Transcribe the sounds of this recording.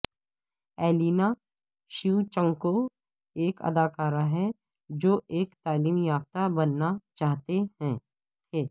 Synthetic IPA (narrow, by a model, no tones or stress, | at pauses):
ɛːliːna | ʃiut͡ʃə̃ŋko | eːkɐ̰d̪aːkaːɾaɦɛ | d͡ʒoːʔeːkt̪aːliːmjaːft̪abɐnːat͡ʃaːɦt̪ehɛ̃ | t̪ʰeː